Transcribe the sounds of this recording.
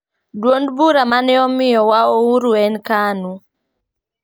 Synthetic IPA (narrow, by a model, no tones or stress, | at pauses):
dwondbuɾamanɛɔmɪjɔwaouɾuɛnkanu